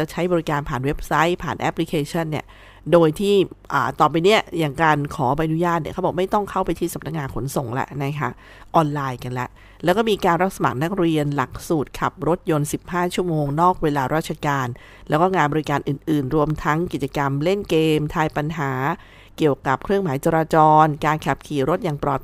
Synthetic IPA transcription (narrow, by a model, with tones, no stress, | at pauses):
t͡ɕa˧˩t͡ɕʰa˦˥jbɔ˧ɾi˦˥kaː˧npʰaː˨˩nwe˦˥p̚sa˦˥jpʰaː˨˩nʔɛ˦˥pʰli˦˥kʰeː˧t͡ɕʰɔ˥˩nːi˥˩ə | doː˧jt̪ʰiː˥˩ʔaː˨˩t̪ɔː˨˩pa˧ni˦˥ɐjaː˨˩ŋkaː˧nkʰɔː˩˦pa˧ʔa˧nu˦˥jaː˥˩t̪̚ni˥˩a˥˩bɔː˨˩ma˥˩jt̪ɔ˥˩ŋkʰa˥˩wpa˧jt̪ʰiː˥˩sa˨˦p̚na˦˥k̚ŋaː˧nkʰo˩˦nso˨˩ŋlɛ̰˦˥ʔna˦˥kʰa˦˥ʔ | ʔɔː˧nlaː˧jka˧nlɛ˦˥ʔ | lɛː˦˥kɔː˥˩miː˧kaː˧nɾa˦˥t̪̚sa˧ma̰˨˩k̚na˦˥k̚ɾi˧ənla˨˩k̚suː˨˩t̪̚kʰa˨˩p̚ɾo˦˥t̪̚jo˧nsi˨˩p̚haː˥˩t͡ɕʰu˥˩əmoː˧ŋnɔː˥˩k̚weː˧laː˧ɾaː˥˩t̪̚t͡ɕʰa˧kaː˧n | lɛː˦˥wkɔː˥˩ŋaː˧nbɔː˧ɾi˦˥kaː˧nʔɯː˨˩nʔɯː˨˩nɾu˧əmt̪ʰa˦˥ŋki˨˩t͡ɕa˧ka˧mle˥˩nkeː˧mt̪ʰaː˧jpa˧nɦaː˩˦ | ki˨˩əwka˨˩p̚kʰɾɯ˥˩əŋmaː˩˦jt͡ɕaː˧ɾaː˧t͡ɕɔː˧nkaː˧nkʰa˨˩p̚kʰiː˨˩ɾo˦˥t̪̚jaː˨˩ŋpɾɔː˨˩